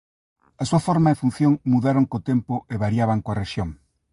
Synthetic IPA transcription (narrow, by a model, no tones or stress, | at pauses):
asuɐfoɾmaefun̟θjoŋmuðaɾoŋkot̪empoʔeβaɾjaβaŋkoareʃjoŋ